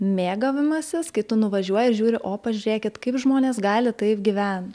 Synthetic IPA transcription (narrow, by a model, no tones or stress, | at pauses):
mʲeːɡɐʋʲɪmɐsʲɪskɐɪt̪ʊnʊʋɐʒʲuɔjɛɪʒʲuːɾʲɪʔoːpɐʒʲʉɾʲeːkʲɪt̪kɐɪpʒmoːnʲeːsɡɑːlʲɪt̪ɐɪpɡʲɪʋʲæn